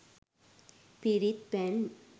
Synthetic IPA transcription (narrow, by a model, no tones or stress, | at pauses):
piɾit̪̚bɛn